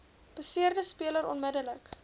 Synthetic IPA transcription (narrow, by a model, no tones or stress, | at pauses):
b̥əsiərdəspiələɾɔnmədələk